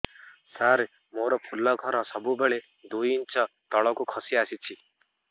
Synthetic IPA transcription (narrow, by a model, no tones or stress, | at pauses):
saɾ | moɾɔpʰulɔɡʱɔɾɔsɔbubeɭe | d̪ujint͡ʃɔt̪ɔɭɔkukʰɔsiasit͡ʃʰi